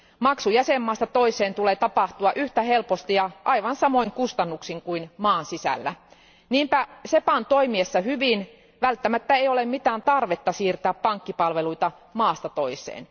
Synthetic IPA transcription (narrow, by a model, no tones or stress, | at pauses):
mɑksujæsemːɑːst̪ɑt̪oisˑeːnt̪uleːt̪ɑpɑht̪uɑʔyht̪æhelpost̪ijɑʔɑiʋɑnsɑmoiŋkust̪ɑnːuksiŋkuinmɑːnsisæ̰lːæ̰ | niːmpæsepɑnt̪oimiesːɑhyʋin | ʋælt̪ːæmæt̪ːæeiolemmit̪æːnt̪ɑrʋet̪ːɑsiːrt̪æːppɑŋkːipɑlʋeluit̪ɑ | mɑːst̪ɑt̪oisˑḛːn